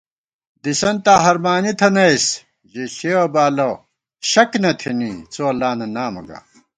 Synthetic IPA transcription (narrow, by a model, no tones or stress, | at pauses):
d̪isɐnt̪aːɦɐɾmaːnit̪ʰɐnɐjs | ʑeɕeːwɐbaːlɐw | ɕɐknɐt̪ʰiniːt͡soɐlːaːnɐnaːmɐ̰ɡa̰ː